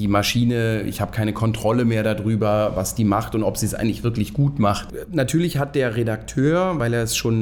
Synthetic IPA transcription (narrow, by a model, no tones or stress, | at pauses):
d̥iːmaʃiːnəɪ̰çhaːbəkʰaɪnəkʰɔntʁ̥ɔləmeːɐɾadʁyːbɐvasd̥iːmaχtʊntɔpz̥iːsʔa̰ɪɡŋ̩tlɪçfv̥ɪɐklɪçɡ̥uːtmaχtnatʰyːɐlɪçhat̚d̥eːɐʁedak̚tʰøːɐvaɪleːɐɛsʃoːn